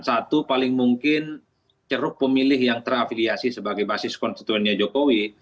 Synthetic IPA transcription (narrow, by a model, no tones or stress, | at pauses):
nsat̪upalɪŋmuŋkɪn | t͡ʃəɾʊk̚pəmilɪhjaŋt̪ərafiliasisəbaɡajbasɪskɔnst̪it̪uɛnɲad͡ʒokowi